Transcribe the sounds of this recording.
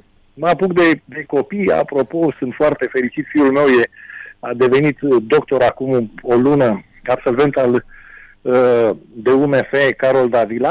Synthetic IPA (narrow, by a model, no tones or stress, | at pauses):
mapukd̪e̞d̪e̞ko̞pija̰pɾo̞po̞sɨnt̪foart̪e̞fe̞ɾit͡ʃit̪fiulme̞wje̞ad̪e̞ve̞nit̪d̪o̞kt̪o̞ɾakumolunə | abso̞lve̞nt̪al | d̪e̞umefekaɾo̞ld̪avila